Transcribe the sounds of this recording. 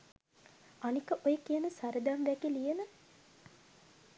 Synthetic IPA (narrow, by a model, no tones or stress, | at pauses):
anikəʔojəkijənəsaɾəd̪amʋækilijənə